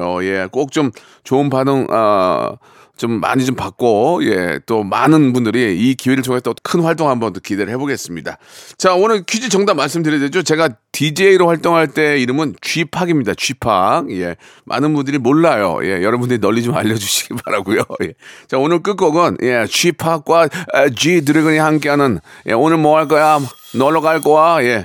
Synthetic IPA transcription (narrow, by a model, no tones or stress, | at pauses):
oje̞k͈ok̚t͡ɕ͈om | t͡ɕonbanɯŋʌ̰ | t͡ɕomːa̰ɲit͡ɕompak̚k͈oje̞̰t͈omanɯnbundɯɾiikiweɾɯɭt͡ɕʰoŋetʰkʰɯnɸwaɭt͈oŋɦambʌndokide̞ɾɯɭɦe̞boɡes͈ɯmɲidat͡ɕaonɯɭkʰud͡ʑit͡ɕʌŋdamːaɭs̬͈ɯmdɯɾjʌde̞d͡ʑot͡ɕe̞ɡatid͡ʑe̞iɾoɸwaɭt͈oŋɦaɭt͈e̞iɾɯmɯnt͡ɕɥipʰaɡimɲidat͡ɕɥipʰa̰k̚je̞̰ | mʔa̰nɯnbundɯɾimoɭːajo̰je̞̰jʌɾʌbundɯɾinʌʎːid͡ʑoma̰ʎːʌd͡ʑuɕʰiɡibaɾaɡujojet͡ɕaonɯɭk͈ɯk͈ʌɡɯnjʔe̞t͡ɕɥipʰak̚k͈waed͡ʑit̬ɯɾɯɡɯɲihank̬͈eɦanɯnjʔe̞̰onɯɭmʌaɭk͈ʌja | nʌɭʌɡaɭk͈oaje̞